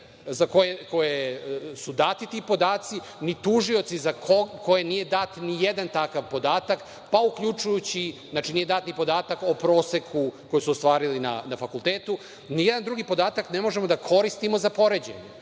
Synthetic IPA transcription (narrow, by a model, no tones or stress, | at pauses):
zako̞jeko̞jesud̪aːt̪it̪iːpo̞d̪aːt̪si | nit̪uʒio̞t̪sizakʰoko̞jenije̞d̪at̪nijed̪ant̪akaʋpo̞d̪aːt̪ak | paukʎut͡ʃujut͡ɕiznaːt͡ʃinije̞d̪aːt̪nipo̞d̪aːt̪ako̞pɾo̞ːsekʰuko̞jusuost̪ʋaːɾilina̰nafakulˠt̪eːt̪u | nijɛd̪and̪ɾuɡipo̞d̪aːt̪aknemo̞ʒe̞mo̞d̪akʰo̞ɾist̪imo̞zapo̞ɾe̞d͡ʑḛɲe